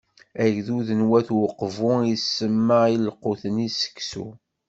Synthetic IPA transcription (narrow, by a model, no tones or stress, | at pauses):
æʝðuðənwæθwəqːvʊisːəmːailqːoθənisə̥kːsṵ